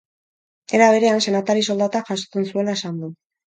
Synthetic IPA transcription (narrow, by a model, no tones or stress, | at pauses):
e̞ɾaβ̞e̞ɾe̞anse̞nat̪aɾiso̞ld̪at̪aʝasot͡se̞nsue̞laesand̪u